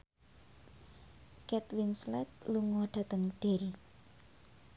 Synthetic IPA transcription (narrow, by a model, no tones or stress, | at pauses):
kɛt̪winslɛ̰t̪̚luŋɔɖ̥a̤t̪əŋɖ̥e̤ɾi